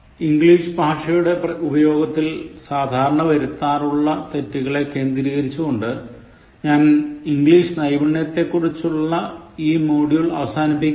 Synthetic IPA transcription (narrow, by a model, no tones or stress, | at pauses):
iŋɡɭiːʂɨbʱaːʂɐjuɽe̞pɐubɐjo̞ːɡɐt̪ːilsaːd̪ʱaːɾɐɳɐʋɐɾut̪ːaːruɭːɐt̪e̞tːiɣɐɭe̞ke̞ːnd̪iɾiɣɐɾit͡ɕːuɣoɳɖɨ | ɲaːniŋɡɭiːʂɨnɐjbɐɳjɐt̪ːe̞kːurit͡ɕːuɭːɐiːmoːɽijuɭɐʋɐsaːnipːikʲː